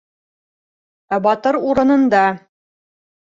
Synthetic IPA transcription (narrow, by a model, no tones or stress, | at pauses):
æbɑt̪ɤɾuɾɤ̆nɤ̆nd̪ɑ